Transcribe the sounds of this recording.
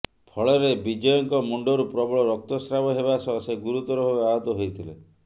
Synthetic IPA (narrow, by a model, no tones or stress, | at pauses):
pʰɔɭɔɾebid͡ʒɔjɔŋkɔmuɳɖɔɾupɾɔbɔɭɔɾɔk̚t̪ɔsɾabɔɦebasɔɦseɡuɾut̪ɔɾɔbʱabeaɦɔt̪ɔɦojt̪ʰilḛ